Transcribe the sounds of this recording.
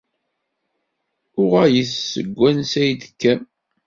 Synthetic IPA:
ʊʁæjəθsəɡʷːænsæjd̪ə̥kːæ

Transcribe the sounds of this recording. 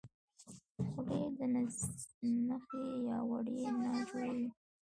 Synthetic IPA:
xɽed̪ən | naxejɑwa̰ɽenaʒawi

